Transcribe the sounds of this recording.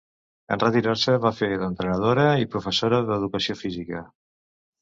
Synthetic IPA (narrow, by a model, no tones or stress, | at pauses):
ə̰nrət̪iɾaɾsəβafelənt̪ɾənəð̞oɾəipɾufəsoɾəðəðukəsiofizikə